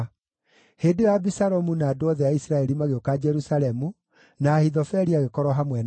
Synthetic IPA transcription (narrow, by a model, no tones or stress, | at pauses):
hedewabisaɾɔmunaːdoɔðɛaisɾaɛɾimaɣeokad͡ʒɛɾusalɛmu | naːhiðɔfɛɾiaɣekɔɾɔɦamwɛn